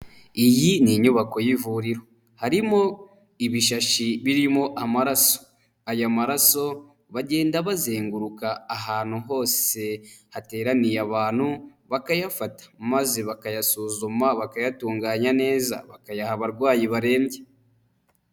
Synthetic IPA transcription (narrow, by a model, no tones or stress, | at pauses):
ijiniɲuβako̞jivuɾiɾo̞ | haɾimo̞ | iβiʃaʃiβiɾimo̞ʔamaɾaso̥ | ajamaɾaso̞ | βaɟe̞ːndaβaze̞ːŋɡuɾukaːɦaːn̥huɦo̞ːse̞hate̞ːɾanijaβaːn̥huβakajafatḁmaze̞βakajasuːzumaβakajatuːŋɡaːɲane̞ːza̰βakajahaβaɾɡwaːjiβaɾe̞ːɲɟe